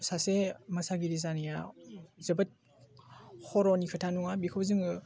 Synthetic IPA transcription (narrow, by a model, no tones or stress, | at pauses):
sasemɐsaɡiɾizanija̰zɯbɐt̚ | hʰɔɾɔnikʰɯtʰanuŋabikʰɯwzɯŋɯ